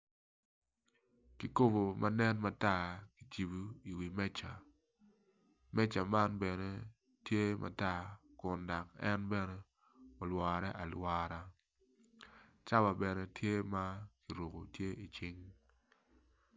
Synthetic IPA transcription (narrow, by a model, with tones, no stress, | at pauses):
ki˨ko˦bo˨mʔa˦nɛ˦nma˨˦ta˦˨ki̥˨t͡ʃi˨bu˦i˨wi˨mɛ˦t͡ʃa˨ | mɛ˦t͡ʃa˨ma˦nbɛ˨nɛ˦ | tje˦mʔa̰˨ta˦˨kʊ˨nda˨kɛ˦nbɛ˦nɛ˦ | ɔ˨lwaː˨ɾɛ˦ʔa˨lwaː˦ɾa˦ | t͡ʃa˦ba˨bɛ˨nɛ˦tje˦ma˦ki˨ɾo˨ko̰˨tje˦ʔi˨t͡ʃɪ˦ŋ